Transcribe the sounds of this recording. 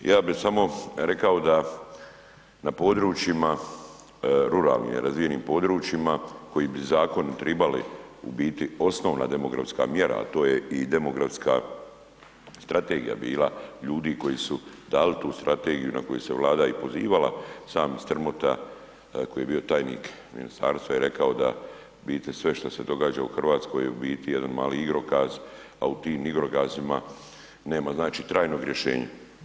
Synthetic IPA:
jaːbisamo̞ɾe̞kao̞d̪a | napo̞d̪ɾuːt͡ʃima | ɾuɾa̰ːlnḭm̰ɾazʋije̞niːmpo̞d̪ɾuːt͡ʃimako̞jibizaːko̞nt̪ɾebalḭṵbiːt̪io̞sno̞ːʋna̰d̪e̞mo̞ɡɾa̰fska̰ːmje̞ɾa̰ːt̪o̞ːjeʔid̪e̞mo̞ɡɾafska̰ | st̪ɾat̪eːɡija̰biːlˠaʎuːd̪iko̞jiːsud̪aːlit̪uːst̪ɾʔat̪eɡijuna̰ko̞juse̞ʋlˠaːd̪aipo̞ziːʋala̰saːmst̪r̩mo̞t̪a̰ | ko̞jije̞biːo̞t̪aːjnḭːk | mḭnḭst̪aːɾst̪ʋajeɾe̞kao̞d̪a | biːt̪esʋe̞ʃt̪ase̞d̪o̞ɡaːd͡ʒauxr̩ʋaːt̪sko̞jeubiːt̪ijed̪anmaːliiɡɾo̞ɡaːz | aut̪iːmiɡɾoɡaːzima | ne̞ːmaznaːt͡ʃit̪ɾaːjno̞ɡɾʲjeʃe̞̰ːɲa̰

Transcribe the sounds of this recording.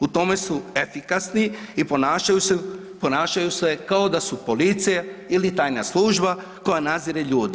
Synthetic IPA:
ut̪o̞me̞suefikasniiponaːʃajuse | po̞naːʃajusekao̞d̪asupo̞lit̪sijailit̪aːjnaslˠuːʒba | ko̞janaziɾeʎuːd̪i

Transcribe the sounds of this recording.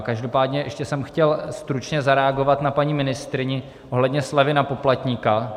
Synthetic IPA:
kaʒdo̞paːdɲɛʔɛʃcɛsɛmxcɛlst̪ɾut͡ʃɲɛzaɾɛaɡo̞vat̪napaɲimɪnɪst̪ɾɪɲɪ | ʔoɦlɛdɲɛslɛvɪnapo̞plat̪ɲiːka

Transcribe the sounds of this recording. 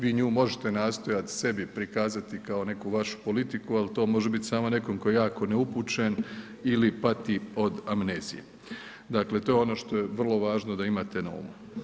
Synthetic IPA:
ʋiːɲuːmo̞ʒet̪e̞naːst̪o̞jat̪i̥se̞bipɾikaːzat̪ikao̞ne̞kuʋaʃu̥po̞lit̪ikualit̪o̞ːmo̞ʒebit̪ʲsaːmo̞ne̞ko̞mkojejaːko̞neupuːt͡ʃen | ilipat̪io̞d̪amneːzijḛ | d̪akle̞t̪o̞ːjeo̞no̞ːʃt̪o̞je̞ʋr̩lˠo̞ʋaːʒno̞d̪aimaːt̪e̞nao̰mu

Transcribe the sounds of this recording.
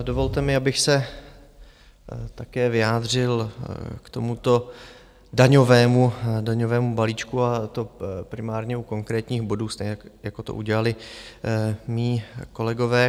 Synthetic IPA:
do̞vo̞lt̪ɛmɪabɪxsɛ | t̪akɛːvɪjaːd̪r̝ɪlkt̪o̞mut̪o̞ | daɲo̞vɛːmudaɲo̞vɛːmubaliːt͡ʃkuat̪o̞pɾɪmaːɾɲɛuko̞ŋkɾɛːt̪ɲiːxbo̞duːst̪ɛjako̞t̪oʔuɟɛlalɪ | miːko̞lɛɡo̞vɛː

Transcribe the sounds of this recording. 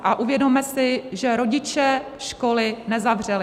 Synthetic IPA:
ʔaʔuvjɛdo̞mɛsɪʒɛɾo̞ɟɪt͡ʃɛ | ʃko̞lɪnɛzavr̝̥ɛlɪ

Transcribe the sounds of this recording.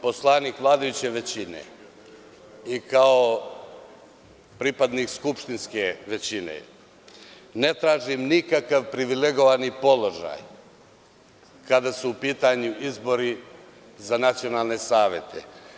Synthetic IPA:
po̞slˠanikʋlˠaːd̪ajut͡ɕe̞ʋe̞t͡ɕinḛ | ikao | pɾipad̪nikskupʃt̪inskeʋe̞t͡ɕinḛ | net̪ɾaːʒimnikakaʋpɾiʋileɡo̞ʋanipo̞lo̞ʒa̰ːj | kad̪asuːpiːt̪aɲuizbo̞ɾi | zanat̪sio̞naːlˠne̞saːʋje̞t̪ʰḛ

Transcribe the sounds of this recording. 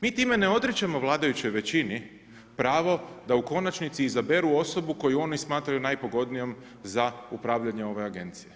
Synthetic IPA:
miːt̪iːme̞ne̞o̞d̪ɾet͡ɕamo̞ʋlˠaːd̪ajut͡ɕo̞jʋe̞t͡ɕini | pɾaːʋo̞d̪auko̞nat͡ʃnit̪siːzabe̞ɾuo̞so̞buko̞juo̞nismaːt̪ɾajunajpo̞ɡo̞d̪nijo̞m | zaupɾaːʋʎaɲe̞o̞ʋe̞aɡe̞̰nt̪sije

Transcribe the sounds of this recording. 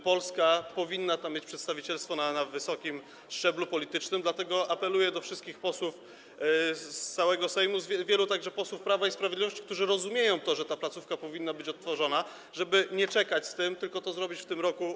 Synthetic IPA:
pɔlskapɔvʲinːat̪amʲːjet͡ɕʲpʂɛt̪st̪avʲit͡ɕɛlst̪fɔnanavɘsɔkʲim | ʂt͡ʂɛblupɔlʲit̪ɘt͡ʂnɘmd̪lat̪ɛɡɔʔapɛlujɛd̪ɔfʂɘst̪kʲixpɔswuf | st̪sawɛɡɔsɛjmuzvʲɛvʲjɛlut̪aɡʐɛpɔswufpɾavaispɾavʲjd̪lʲivɔɕt͡ɕi̥kt̪uʐɘɾɔzumʲjejɔ̃w̃t̪ɔʐɛt̪aplat̪sufkapɔvʲinːabɘt͡ɕɔt̪ːfɔʐɔna | ʐɛbɘɲɛt͡ʂɛkat͡ɕst̪ɘmt̪ɘlkɔt̪ɔzɾɔbʲit͡ɕft̪ɘmɾɔku

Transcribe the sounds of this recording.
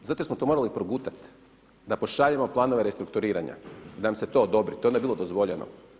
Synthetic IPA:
zat̪osmot̪o̞mo̞ɾalipɾobuːt̪at̪ | d̪apo̞ʃaʎamo̞plˠaːno̞ʋe̞ɾest̪ɾuk̚t̪uɾiːɾa̰ɲa̰d̪anamse̞t̪o̞ːd̪o̞bɾit̪oond̪aeilˠo̞d̪ozʋoʎeno̰

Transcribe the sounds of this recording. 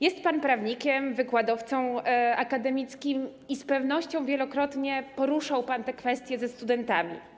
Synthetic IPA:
jɛst̪̚panpɾavɲikʲɛmvɘkwad̪ɔft̪sɔ̃w̃akad̪ɛmʲit̪skʲim | ispɛvn̪ɔɕt͡ɕɔ̃w̃vʲjɛlɔkɾɔt̪ɲɛpɔɾuʂawpant̪ɛkfɛst̪ʲjɛzɛst̪ud̪ɛnt̪amʲḭ

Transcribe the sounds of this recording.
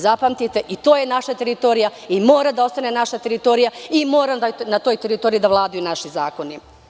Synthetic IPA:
zapamt̪it̪e̞ʔit̪oːjenaʃat̪e̞ɾit̪o̞ːɾijaimo̞ːɾad̪ao̞st̪ane̞naʃat̪eɾit̪o̞ːɾijaimoːɾamnat̪ojt̪eɾit̪o̞ɾijid̪aʋlˠaːd̪ajunaʃizaːko̞ni

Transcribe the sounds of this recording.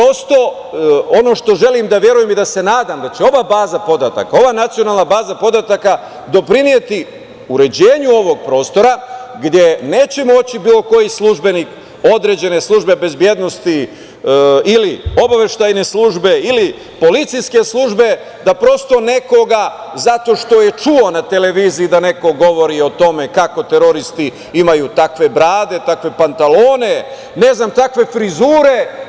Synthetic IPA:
pɾo̞st̪o̞ | ono̞ʃt̪o̞ʒe̞limd̪aʋje̞ɾujemid̪ase̞naːd̪amd̪at͡ɕeo̞ʋaːbaːzapo̞d̪at̪a̰kao̞ʋaːnat̪sijo̞naːlˠnabaːzapo̞d̪at̪aka | d̪o̞pɾinije̞t̪i | uɾe̞d͡ʑe̞ːɲuo̞ʋo̞ɡ̚pɾo̞ːst̪o̞ɾaɡd̪je̞ne̞ːt͡ɕe̞mo̞t͡ɕibiːlo̞ko̞jislˠuʒbe̞nik | o̞d̪ɾe̞ːd͡ʑe̞ne̞slˠuʒbebe̞zbje̞d̪no̞st̪i | ilio̞baʋe̞ʃt̪ajne̞slˠuːʒbe̞ili | po̞lit̪sijske̞slˠuːʒbe̞ | d̪apɾo̞st̪o̞ne̞ko̞ɡazat̪o̞ʃt̪o̞je̞t͡ʃuo̞nat̪e̞le̞ʋiːziid̪ane̞ko̞ɡo̞ʋo̞ɾio̞t̪o̞me̞kako̞t̪e̞ɾo̞ɾist̪i | imajut̪akʋe̞bɾaːd̪e̞t̪akʋe̞pant̪alo̞ːne̞ | ne̞znamt̪akʋe̞fɾizuːɾe̞

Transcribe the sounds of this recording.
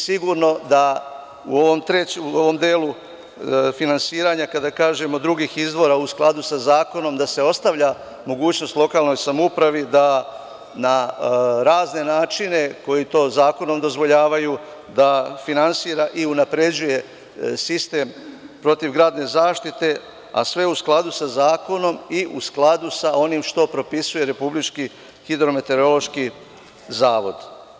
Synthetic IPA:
siɡuɾno̞d̪a | ṵo̞ʋo̞mt̪ɾeuoʋo̞md̪eːlu | finansiːɾaɲakad̪akaːʒe̞mo̞d̪ɾuɡiːxizd̪ʋo̞ɾausklˠad̪usazaːko̞no̞md̪ase̞o̞st̪aʋʎa | mo̞ɡuːt͡ɕno̞st̪lˠo̞kaːlˠno̞jsamupɾaʋid̪a | naɾaːzne̞naːt͡ʃine̞ko̞jit̪o̞ːzaːko̞no̞md̪o̞zʋo̞ʎaːʋaju | d̪afinansiːɾaʔiunapɾe̞d͡ʑuje̞ | sist̪e̞mpɾo̞t̪iʋɡɾaːd̪ne̞zaːʃt̪it̪e̞ | a̰sʋe̞usklˠad̪usazaːko̞no̞miʔusklˠad̪usao̞nimʃt̪o̞pɾo̞pisuje̞ɾe̞publit͡ʃki | hid̪ɾo̞me̞t̪e̞ɾo̞lo̞ʃki | zaːʋo̞̰d̪

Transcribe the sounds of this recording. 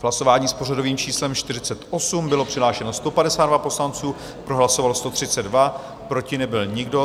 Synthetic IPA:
vɦlaso̞vaːɲiːspo̞rado̞viːmt͡ʃiːslɛmʃt̪ɪrɪt͡sɛt̪ʔo̞sumbɪlo̞pr̝̥ɪɦlaːʃɛno̞st̪o̞padɛsaːdvapo̞slant͡suː | pɾo̞ɦlasovalst̪o̞t̪r̝̥ɪt͡sɛddva | pɾo̞cɪnɛbɪlɲɪɡdo̞

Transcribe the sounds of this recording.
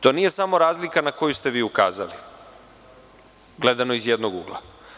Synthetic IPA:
t̪o̞ːnije̞samo̞ɾaːzlikanako̞just̪e̞ʋiːuka̰ːzali | ɡle̞d̪ano̞izjed̪noɡuɡla̰

